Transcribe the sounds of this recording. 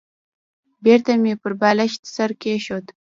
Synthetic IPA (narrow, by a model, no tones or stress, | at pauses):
beɾt̪amepəɾbɑlaʃt̪saɾkeʃot̪